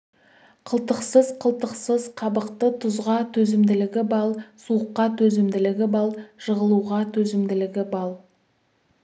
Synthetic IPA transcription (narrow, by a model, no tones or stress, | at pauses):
qʰəlˠt̪əqsəzqʰəlˠt̪əqsəzqʰɑbəqt̪ət̪ʰʊzʁɑt̪ʰɵzɪmd̪ɪlɪɡʲɪbɑlˠsuəqːɑt̪ʰɵzɪmd̪ɪlɪɡʲɪbɑlˠʒ̥əʁəlˠuʁɑt̪ʰɵzɪmd̪ɪlɪɡʲɪbɑlˠ